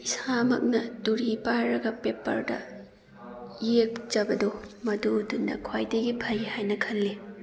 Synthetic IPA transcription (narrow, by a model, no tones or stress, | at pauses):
isamɐ̰k̚nɐduɾipaɾɐɡɐpepɐ̰ɾdɐ̰ | jek̚d͡ʒɐbɐdomɐdudundɐ̰kʰwajdɐɡipʰɐjhajnɐkʰɐlːi